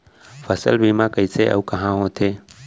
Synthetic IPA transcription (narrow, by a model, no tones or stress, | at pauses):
fʰɐsə̰lbimãkəiseʔɐ̰ukɐɦãɦõt̪ʰeː